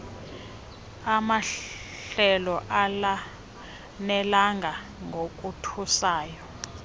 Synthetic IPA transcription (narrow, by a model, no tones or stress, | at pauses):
ama | ɬɛlɔʔala | nɛlaŋɡʱa | ŋɡʱok̬ʼutʰusaːjɔ